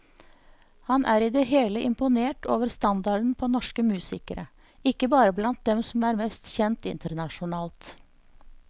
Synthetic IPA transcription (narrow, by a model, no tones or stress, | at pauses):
hɑnʔæːɾiːd̪ɛɦeːləʔɪmpʊneːʈo̰ːʋəɾst̪ɑnd̪ɑɖn̩pʰoːnɔʂkəmʉːsɪkəɾə | ɪkːəbɑːɾəblɑnt̪̚d̪ɛmsɔmæːɾmɛst̪çɛnt̪ɪ̰nt̪əɾɳɑʃʊnɑːlt̪